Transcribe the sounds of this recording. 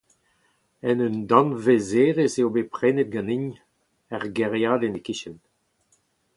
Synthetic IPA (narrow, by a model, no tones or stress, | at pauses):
ɛnynd̪ɑ̃nvezeːʁeseobepχɛːnet̪̚ɡɑ̃niɲ | ɛʁɡɛʁjaːd̪enekiʃɛn